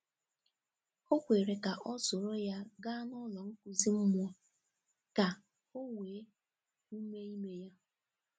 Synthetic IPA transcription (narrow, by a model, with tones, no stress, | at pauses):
o˦kʷe˨ɾe˨ka˨ʔɔ˦sʊ˨ɾo˦ja˦ɡa˦nʊ˦lɔ˨ŋ̩˦kʷu˨zi˦m̩˦mʊ˦ɔ˦ | ka˨ | o˦ŋʷeː˨˦ | u˦me˦i˦me˦ja˦